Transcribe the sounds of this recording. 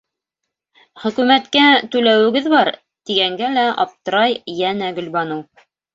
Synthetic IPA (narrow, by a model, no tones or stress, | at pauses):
χɵ̆kʉmæt̪kæt̪ʉlæwɘ̆ɡɘðbɑɾ | t̪iɡæŋɡælæʔɑ̰p̚t̪ɤ̆ɾɑjjænæɡɵ̆lbɑnuw